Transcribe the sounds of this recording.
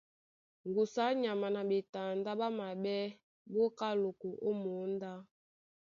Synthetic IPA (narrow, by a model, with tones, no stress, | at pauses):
ŋɡu˨sa˨˦ɲa˨ma˨na˨ɓe˨ta˨nda˦ɓa˦ma˨ɓɛ˦ | bo˦ka˦lo˨ko˨ʔo˦mo˨˦nda˦